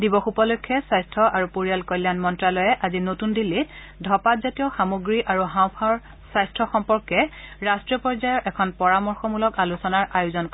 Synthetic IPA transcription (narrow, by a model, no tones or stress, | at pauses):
dibɔxupɔlojkʰːɛsajstʰɔʔaɹupoɹijalkɔjlːjanmɔntɹalɔjɛʔazinotundilːit | dʱɔpatzatijɔxamoɡɹiʔaɹuɦãw̃pʰaɹ | sajstʰɹɔxɔmpɔɹkɛɹastɹijɔpɔɹzajɔɹʔɛkʰɔnpɔɹamɔɹxɔmulɔkalusɔnaɹʔajuzɔnk